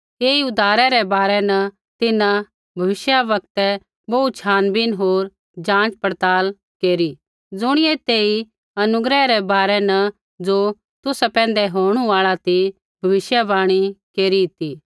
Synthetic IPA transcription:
keːiʊd̪ʱaːɾɛɾɛbaːɾɛnɐ | t̪ɪnã | bʱɐʋɪʃjaʋɐkt̪ɛ | bɐut̪t͡ʃʰaːnbɪnɦoːɾ | d͡ʒãːt͡ʃpɐɾt̪aːl | keːɾi | d͡zʊɽ̃ɪet̪eːi | ɐnʊɡɾɛɾɛbaːɾɛnɐ | d͡zoː | t̪ʊsɛpɛ̃ːn̆d̪ɛɦoːɽ̃ũaːɭat̪i | bʱɐʋɪʃjaʋaːɽ̃ikeːɾit̪i

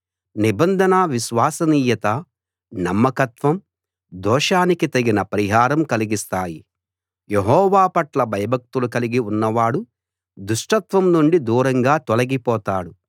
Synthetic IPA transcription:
nibɐnd̪ʱɐnaʋiʃʋaːsɐniːjɐt̪ɐ | nɐmːɐkɐt̪ʋɐm | d̪ɔːʂaːnikit̪ɐɡinɐpɐɾiɦaːɾɐmkɐliɡist̪aːji | jeɦɔːʋaːpɐʈlɐbʱɐjɐbʱɐk̚t̪ulukɐliɡiunːɐʋaːɽu | d̪uʂʈɐt̪ʋɐmnuɳɖid̪uːɾɐŋɡaːt̪ɔlɐɡipɔːt̪aːɽu

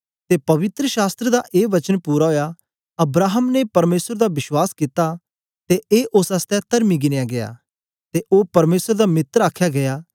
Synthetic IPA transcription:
t̪epɐʋɪt̪ɾəʃaːst̪ɾed̪aʔeːʋɐt͡ʃənpuːɾaɦoːja | ɐbɾaːɦəmnepɐɾmeːsəɾd̪abɪʃwaːskɪt̪a | t̪eʔeːʔosɐst̪ɛ̃t̪ɐɾmiɡɪnejaɡeja̰ː | t̪eʔoːpɐɾmeːsəɾd̪amɪt̪ɾaːkʰjaɡɐjaː

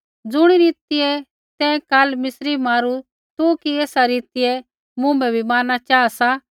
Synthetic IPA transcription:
d͡zʊɽ̃iɾiːt̪ɪjɛ | t̪ɛ̃kalmɪsɾimaːɾu | t̪ukieːsaɾiːt̪ɪjɛ | mʊ̃ːmbɛbʱimãːnːat͡ʃaːasa

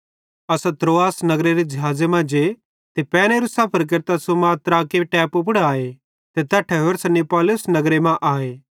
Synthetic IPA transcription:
ɐsat̪ɾoːaːsnɐɡɾeɾed͡ʒɐɦaːd͡ʒemãd͡ʒe | t̪epɛːñeɾusaːpʰəɾk̬ɐɾt̪asomaːt̪ɾaːkeʈɛːpʊp̬ɽaːe | t̪et̪ɛːʈʰɛɦoɾsɐnːipɔːlʊsnɐɡɾemãʔaːeː

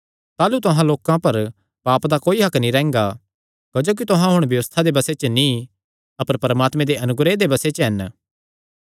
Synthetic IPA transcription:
t̪aːlut̪ʊɦãloːkãpɐɾ | paːpd̪akoːiɦɐknĩɾɛ̃ːŋɡa | kɐd͡ʒoːk̬it̪ʊɦãɦʊɽ̃bjɐʋəst̪ʰad̪ebɐset͡ʃənĩ | ɐpəɾpɐɾɐmaːt̪mẽd̪eʔɐnʊɡɾed̪ebɐset͡ʃəɦɐn

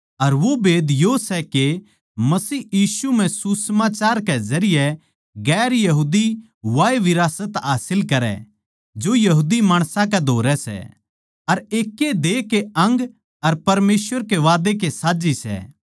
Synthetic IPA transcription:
ɐɾʋobeːd̪josɛke | mɐsiːjiːsum̤ɛ̃susəmaːt͡ʃaːɾkɛzɐɾɪjɛ | ɡɛːɾjɐɦuːd̪i | ʋaːeʋɪɾaːsət̪ɦaːsɪlkɐɾɛ̰ | d͡ʒojɐɦuːd̪imaːɽ̃sãk̬ɛd̪ʱoːɾɛsɛ̰ | ɐɾeːkːed̪eːkeɐ̃ŋɡ | ɐɾpɐɾmeːsʋəɾkeʋaːd̪ek̬esaːd͡ʒisɛ̰ː

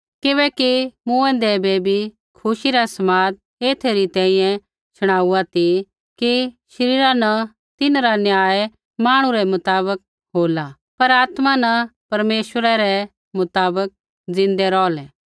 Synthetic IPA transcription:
kɪbɛːkimũɛ̃ːnd̪ɛbebʱi | kʰʊʃiɾasɐmaːd̪̚ | eːt̪ʰeɾit̪ɛ̃ːĩjɛ̃ | t͡ʃʰʊɽ̃aːuat̪i | kiʃɐɾiːɾanɐ | t̪ɪnɾanjaːe | maːɽ̃ũɾɛmɐt̪aːβək̚ | ɦoːla | pɐɾaːt̪manɐpɐɾmeːʃwəɾaɾɛ | mʊt̪aːbək̚ | d͡zɪ̃nd̪ɛɾɔːlɛː

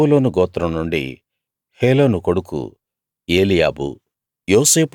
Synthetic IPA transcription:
uloːnuɡɔːt̪ɾɐmnuɳɖḭ | heːlo̞ːnuko̞ɽukṵ | eːlija̰ːbṵ | joːse̞ːp

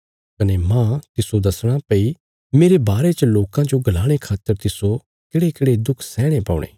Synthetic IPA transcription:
kɐnemãt̪ɪsod̪ɐsɽ̃apɐi | meːɾebaːɾet͡ʃəloːkãd͡ʒoɡɐlaːɽ̃ekʰaːt̪ːəɾt̪ɪso | keːɽekeːɽed̪ʊkʰsɛːɽ̃epaːʊɽḛː

